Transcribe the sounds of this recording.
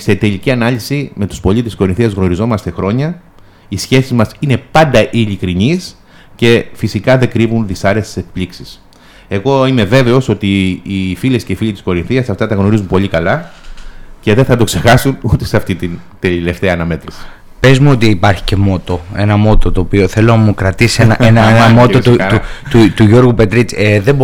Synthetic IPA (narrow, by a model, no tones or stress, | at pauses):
se̞t̪e̞liciɐnɐlisime̞t̪u̥spo̞lit̪esko̞ɾinθiɐzɣno̞ɾizo̞mɐst̪e̞xɾo̞ɲɐ | isçe̞sizmɐsine̞pɐnd̪ɐʔilikɾinis | ce̞fisikɐðe̞kɾivunðisɐɾe̞st̪e̥sek̚pliksi̥s | e̞ɣo̞ime̞ve̞ve̞o̞so̞t̪iːfile̞sceifiʎit̪isko̞ɾinθiɐsɐft̪ɐt̪ɐɣno̞ɾizunpo̞ʎikɐlɐ | ce̞ðe̞θɐt̪o̞kse̞xɐsunut̪eseɐft̪it̪int̪elile̞ft̪eɐːnɐme̞t̪ɾisi̥ | pe̞zmuo̞t̪iipɐɾçi̥ce̞mo̞t̪o̞e̞nɐmo̞t̪o̞t̪o̞ːpio̞θe̞lo̞nɐmukɾɐt̪isienɐenɐenɐmo̞t̪ot̪uut̪ut̪uʝo̞ɾɣupe̞t̪ɾit͡seðeb